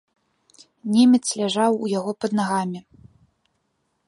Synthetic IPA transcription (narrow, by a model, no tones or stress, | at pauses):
nʲemʲɛt̪slʲaʐawujaɣɔpɐd̪naɣamʲi